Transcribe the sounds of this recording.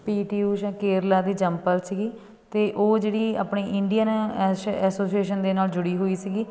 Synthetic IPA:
piːʈiːuːʃãːkeːɾlaːd̪iːd͡ʒəmpəlsiɡiː | t̪eːʔoːd͡ʒeːɽiːa̰ːpɳeːʔɪɳɖijən | ɛːsoːsieːʃənd̪eːnaːld͡ʒʊɽiːɦoːiːsiɡiː

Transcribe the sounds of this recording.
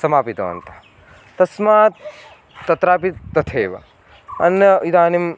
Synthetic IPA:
sɐmaːpit̪ɐ̰ːɐ̰nt̪ḁ | t̪ɐsmaːt̪ː | ɐt̪ɾaːpit̪ːɐt̪ʰeːʋɐ̰ | ɐnjɐid̪aːnim

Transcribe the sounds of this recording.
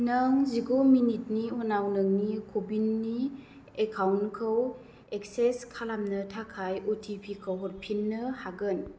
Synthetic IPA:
naŋziɡominit̚niɔnawnɯŋnikʰobinːi | ekʰawnkʰɯw | ek̚seskʰalamnɯtʰakʰajotʰipʰikʰəwɦɔt̚pʰinːɯhaɡɯn

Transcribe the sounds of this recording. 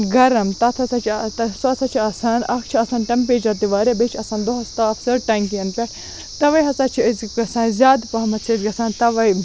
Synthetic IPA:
ɡɐɾɐmt̪ɐt̪ʰɐsɐt͡ʃʰt̪sɐsɐt͡ʃʰiɐsaːnɐkʰt͡ʃʰiɐsaːnʈɐmp̬eːd͡ʒɐt̪iʋaːɾebet͡ʃʰɐsaːnd̪oɦɐst̪ɐɐksɐɾʈɐŋkijɐnpʲɐ | t̪ɐʋɐjɦɐsaːt͡ʃʰiəzɡɐsaːnzʲaːd̪pɐɦɐmɐsʰɐzɡɐsaːnt̪ɐʋɐj

